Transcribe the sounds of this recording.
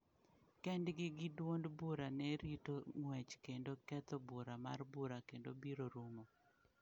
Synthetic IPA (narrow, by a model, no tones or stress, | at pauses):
kɛndɡɪɡɪdwondbuɾanɛɾitoŋwɛt͡ʃkendokɛt̪ɔbuɾama̰rbuɾakendobiɾoɾumɔ